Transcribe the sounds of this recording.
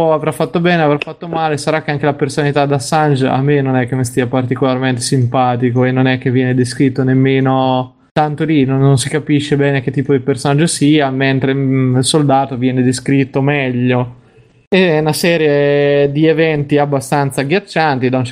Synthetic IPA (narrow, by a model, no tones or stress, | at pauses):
ɔavɾafːat̪ːobɛːneavɾafːat̪ːomaːlesaɾakːeaŋk̟elapersonalit̪ad̪asand͡ʒa̰mːenːonɛkːemːest̪iːapart̪ikolarment̪e̥simpaːt̪ikoenːonɛk̟ːevːjɛːned̪eskɾit̪ːonemːeːno | t̪ant̪olinonːonsikapiʃːebɛːnek̟et̪ːiːpod̪ipersonad͡ʒːosiːament̪ɾeilsold̪aːt̪ovjɛːned̪eskɾit̪ːomɛʎːo | eunasɛːɾjed̪ievɛnt̪iabːast̪ant̪saɡjat͡ʃːant̪id̪aunt͡ʃ